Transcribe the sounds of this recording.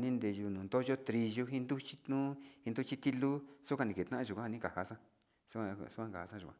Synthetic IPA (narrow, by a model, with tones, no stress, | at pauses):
nĩ˦nd̪e˧ʒu˧nũː˨nd̪o˦ʒo˦t̪ɾi˧ʒo˧ɦĩ˦nd̪u˦t͡ʃi̥˦t̪ũ˦ĩ˧nd̪u˦t͡ʃi˦t̪i˦lu˦su˦kʷã˧nĩ˧ke˨t̪nã˦ʔã˧ʒu˨kʷã˦a˧ĩ˦˧ka˨ha˧sã˦ | su˦ka˧su˦kʷã˦˧ka˨ha˧sã˦ʒu˨kʷã˧˨